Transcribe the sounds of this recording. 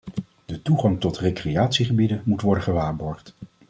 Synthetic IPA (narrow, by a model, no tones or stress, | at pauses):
d̥ətuχɑŋtɔtrejkrejaːtsiχəbidənmutʋɔɹdəχəʋaːɹbɔɹχt